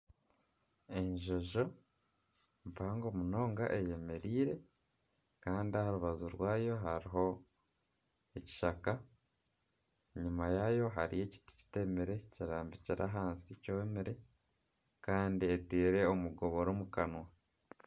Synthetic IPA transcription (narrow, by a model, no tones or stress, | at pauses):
e̞ɲʒoʒo̞ | ɱvaːŋɡo̞muno̞ːŋɡa̰ʔe̞je̞me̞ɾiːɾe̞ | kaːndiahaɾuβazuɾwaːjo̞ɦaɾiɦo̞ | eci̥ʃaka | ɲumajaːjo̞ɦaɾḭje̞ci̥ti̥ci̥te̞meɾe̞ciɾaːmbiciɾʔa̰ɦaːnsicoemeɾe̞ | kaːndietiːɾe̞omuɡo̞βo̞ɾomukanwa